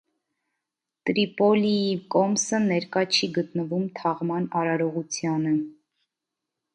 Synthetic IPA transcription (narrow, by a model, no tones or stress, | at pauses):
t̪ɾipɔliikɔmsənɛɾkɑt͡ʃʰiɡət̪nəvumt̪ʰɑʁmɑnɑɾɑɾɔʁut͡sʰjɑnə